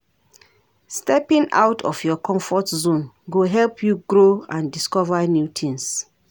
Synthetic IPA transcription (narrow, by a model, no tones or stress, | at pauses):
stɛpĩŋa̰wtʰɔ̰fjɔkʰɔ̃mfɔtzũn | ɡoɦɛlpʰjuɡɹoãndiskɔvanjutʰĩns